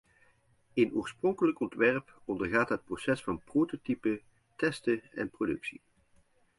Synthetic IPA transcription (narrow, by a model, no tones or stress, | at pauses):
enoːɹsprɔŋkələkɔntʋɛrpɔndərɣaːtɦət̚prosɛsfɑnprototipə | tɛstəɛ̰nprodɵksi